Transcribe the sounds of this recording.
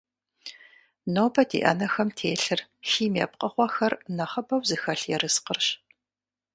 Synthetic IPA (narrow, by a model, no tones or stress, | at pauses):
noːbɐdḭʔɐ̰nɐxɐmtʰeːɬɨrxiːmɛ̰ːp̚qʼɐχʷɔxɐrnɐχɐbɐwzɨxɐɬjɛɾɨsqərɕ